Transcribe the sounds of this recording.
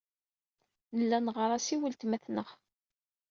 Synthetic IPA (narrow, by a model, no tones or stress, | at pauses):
nəlːænʁɾˤɑsiwəlt̪mæθnəχ